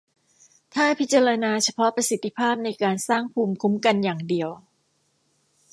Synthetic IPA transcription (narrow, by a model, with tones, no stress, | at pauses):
t̪ʰaː˥˩pʰi˦˥t̪̚t͡ɕa˧ɾa˧naː˧t͡ɕʰa˧pʰɔ˦˥pɾa˧si˨˩t̪ʰːi˧˥pʰaː˥˩p̚na˧jkaː˧nsaː˥˩ŋpʰuː˧mkʰu˦˥mka˧njaː˨˩ŋdi˨˧əw